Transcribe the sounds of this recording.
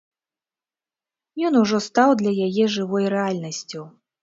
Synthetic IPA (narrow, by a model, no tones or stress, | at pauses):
jɔnuʐɔst̪awd̪lʲɐjajɛʐɨvɔjɾɛalʲnɐsʲt͡sʲu